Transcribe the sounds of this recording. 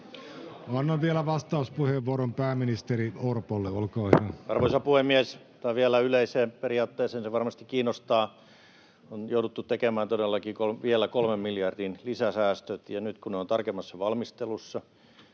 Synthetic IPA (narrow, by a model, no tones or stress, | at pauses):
ɑnːɑʋʋielæʋɑst̪ɑuspuheʋʋuoɾompæːmːinist̪eɾiorpolːeolkɑːhyæɑrʋoisɑpuhemːies | t̪ɑiʋielæyleiseːmperiɑːt̪ːeːseːnseʋɑrmɑst̪ikkiːnːost̪ɑː | onjoudut̪ːutt̪ekemæːnt̪odelːɑkiːkolʋielːækolmemmiljɑrdinlisæsæːst̪øt̪jɑnyt̪kuneont̪ɑrkemːɑsːɑʋɑlmist̪elusːɑ